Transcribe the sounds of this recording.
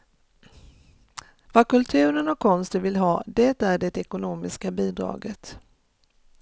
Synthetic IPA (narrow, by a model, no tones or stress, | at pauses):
vakɵlt̪ʰʉ̟ːɾənɔkʰːɔnst̪ənvɪlɦɑːd̪ɛt̪æɖɛt̪ɛkʊnuːmɪskabiːd̪ɾɑ̰ːɡət̪